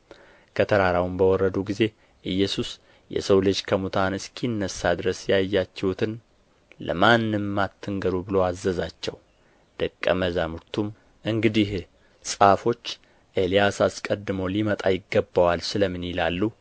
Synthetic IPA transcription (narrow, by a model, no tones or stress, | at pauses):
kʰət̪ʰəɾaɾawumbəwɔrːəd̪uɡize̞ | ʔɨjːɛsus | jɛ̰səwlɨd͡ʒkʰəmut̪ʰanɨskʰinːəsːad̪ɨɾəsjajːat͡ʃːɛhut̪ʰɨn | lə̰manːɨmːat̪ʰːɨŋɡəɾubɨlo̞azːəzat͡ʃːɛw | d̪̥əkʼːə̰məzamuɾt̪ʰum | ʔɨŋɡɨd̪ih | sʼafo̞t͡ʃː | ʔelijasaskʼəd̪ːɨməwlimət̪ʼajɪɡːəbːawalsɨləmːɨnjɪlalːu